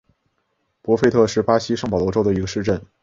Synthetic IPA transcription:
pwɔ˧˥fe˥˧ɪt̪ʰɤ˥˧ʂɻ̩˥˩pa˥ɕi˥ʂɤ˥˩ŋpɑ˨˩ʊlwɔ˧˥ʈ͡ʂo˥ʊd̪ə˨i˧˥ɡə˧ʂɻ̩˥˧ʈ͡ʂə˥˩n

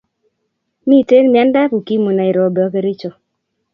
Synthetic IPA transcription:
mi˦˨te˦nmɪ˨a˦nda˦ku˨ki˦mo˨na˨i˨ɾɔ˨bɛ˨ɔ˨˦ke˦ɾɪ˦t͡ʃɔ˨

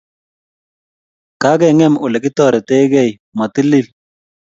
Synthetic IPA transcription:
ka˦ɡɛ˦˨ŋɛ˦˨mʊ˨lɛ˨kɪ˦t̪ɔ˦˨ɾɛ˨t̪e˦ɡɛ˦˨j | ma˨t̪ɪ˦li˦˨l

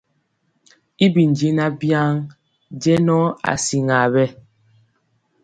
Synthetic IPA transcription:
i˦bi˨n˨d͡ʒi˦na˦bja˦ŋ | d͡ʒɛ˦nɔ˦a̰˨si˨ŋa˨bɛ˦

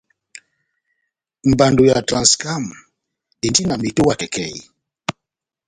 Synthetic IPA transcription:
m̩˨ba˨ndo˨ja˨tɾa˨nska˦˨m | e˨nti˦na˨mi˨to˦wa˨tɛ˨kɛ̰˨ji˨

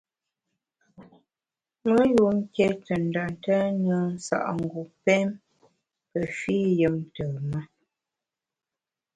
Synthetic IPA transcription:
mə˦ju˨ŋ̩˦ke˦tə˨n̩˨da˨ntə˦nə˦n̩˦sa̰˨ʔŋ˨ɡu˨pɛ˦m | pə˨fi˦jə˦mtə˨mə˦

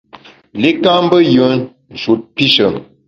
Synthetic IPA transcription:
le˦ka˦m˦bə˦jə˨˦n | n˨d͡ʒu˨t̚pi˦ʃə˨

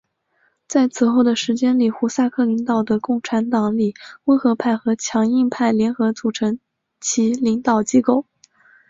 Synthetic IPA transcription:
t͡sa˥˩ɪt͡sʰɹ̩˨˩xo˥˩ʊd̪ə˩ʂɻ̩˧˥t͡ɕjɛ˥nli˨˩xu˧˥sa˥˧kʰɤ˥˩li˧˥ŋt̪ɑ˨˩ʊd̪ə˩kʊ˥˩ŋʈ͡ʂʰa˧˥nt̪ɑ˨˩ŋli˨˩˦we˥ɪxɤ˧˥pʰa˥˩ɪxɤ˧˥t͡ɕʰjɑ˧˥ŋi˥˧ŋpʰa˥˩ɪljɛ˧˥nxɤ˧˥t͡su˨˩ʈ͡ʂʰɤ˧˥ŋ | t͡ɕʰi˧˥li˧˥ŋt̪ɑ˨˩ʊt͡ɕi˥ko˥˩ʊ

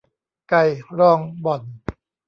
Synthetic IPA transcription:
ka˧jɾɔː˧ŋbɔ˨˩n

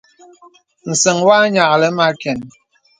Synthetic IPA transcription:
n̩˨sə˨ŋwa˦ɲa˨ʔlɛ˦ma˦kɛ˨n

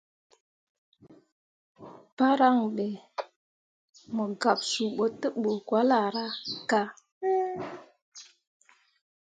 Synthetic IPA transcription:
pa˦ɾa˦ŋɓe˨ | mə˨ɡa˨p̚su˨ɓo˨tːə˦ɓo˨kwa˦la˨ɾa˦ka˦

